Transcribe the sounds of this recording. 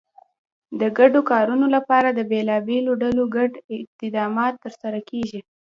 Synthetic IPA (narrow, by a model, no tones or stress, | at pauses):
d̪əɡaɖokɑɾunolapɑɾad̪əbelɑbeloɖaloɡaɖɪt̪ɪd̪ɑmɑt̪ːəɾsaɾakeʒi